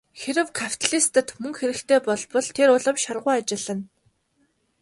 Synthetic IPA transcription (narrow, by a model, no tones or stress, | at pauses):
xeɾɘ̆wkʰapʰʲt̪ʰɮist̪ə̆t̪mɵŋxeɾɘ̆kt̪ʰeːpɔɮpɞ̆ɮt̪ʰeɾʊɮə̆wʃarʁʊːat͡ɕɪ̆ɮə̆n